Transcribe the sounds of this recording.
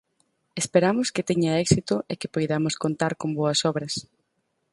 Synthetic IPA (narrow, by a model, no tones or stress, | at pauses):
espeɾamʊskɪt̪eɲaɛksit̪ʊʔekɪpojðamʊskont̪aɾkomboɐsɔβɾɐs